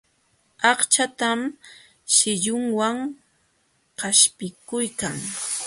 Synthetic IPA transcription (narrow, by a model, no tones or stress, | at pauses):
ɑχt͡ʃat̪am | ʃɪʎʊŋwaŋ | qaʃpɪkʊjkaŋ